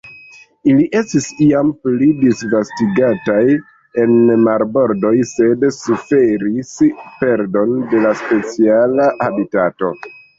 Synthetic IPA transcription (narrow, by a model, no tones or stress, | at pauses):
iliʔe̞stisiamplidisvastiɡataj | e̞nmaɾbo̞ɾdo̞jse̞dsufe̞ɾispe̞ɾdo̞nde̞laspe̞t͡sialaʔabitato̞̰